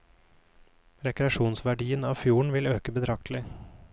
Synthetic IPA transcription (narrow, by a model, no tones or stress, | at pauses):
ɾɛkɾɛɑʃuːnsʋæɖiːənɑːfjuːɳ̩ʋɪløːkəbəd̪ʰɾɑk̚t̪ʰlɪ